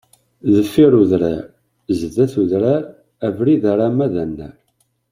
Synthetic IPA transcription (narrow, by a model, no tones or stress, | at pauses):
ðəfːiɾuðɾaɾ | zðæθuðɾaɾ | ævɾiðæɾˤamæðænːæ